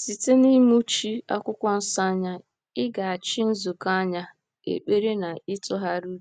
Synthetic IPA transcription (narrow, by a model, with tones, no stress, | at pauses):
si˨te˦ni˦mu˦t͡ʃi˦a̰˦kʷʊ˦kʷɔ˦n̩˦sa˦ɲa˦ | ɪ˦ɡa˨a˨t͡ʃi˦n̩˦zu˨ka˦ɲa˦ | ḛ˨k͡pe˦ɾe˦na˨ɪ˦tɔ˦ɦa˦ɾu˦˨